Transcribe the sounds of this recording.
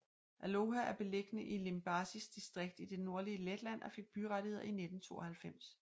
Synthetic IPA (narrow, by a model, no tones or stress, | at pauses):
ʔæloɦæʔæɐb̥e̝leɡ̥ənəʔile̝mb̥ɑːsisd̥isd̥ʁeɡ̥̚d̥id̥e̝no̝ɐliəled̥læn̰ʔɒ̽fe̝ɡ̥̚b̥yʁɑɾihe̝ð̰ˠɐined̥n̩t͡sʰo̝̰ːɒhælfem̰s